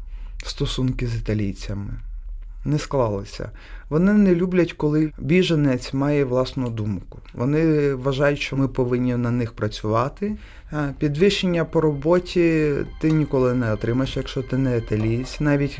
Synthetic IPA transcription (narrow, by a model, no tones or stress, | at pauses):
st̪ɔsunkɪzit̪ɐlʲijt͡sʲɐmɪ̰nɛsklˠɑlˠɪsʲɐ̰ | ʋɔnɪnɛlʲublʲɐtʲkɔlˠɪbʲiʒɐnɛt͡sʲmɑjɛʋlˠɑsnʊd̪umkʊʋɔnɪʋɐʒɑjʊtʲʃt͡ʃɔmɪpɔʋɪnʲːinɐnɪxpɾɐt͡sʲʊʋɑt̪ɪ | pʲid̪ʋɪʃenʲːɐpɔɾɔbɔtʲit̪ɪnʲikɔlˠɪnɛɔt̪ɾɪmɐjeʃjɐkʃt͡ʃɔt̪ɪnɛɪt̪ɐlʲijsʲnɑʋʲitʲ